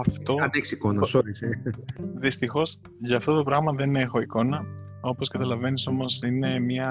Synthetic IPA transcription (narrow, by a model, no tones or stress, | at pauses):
ɐft̪o̞ɐneksikonɐsoɾiseðist̪ixo̞s | ʝɐːft̪o̞t̪o̞pɾɐɣmɐðe̞nine̞xo̞iko̞nɐ | o̞po̞skɐt̪ɐlɐve̞niso̞mo̞sine̞mɲɐ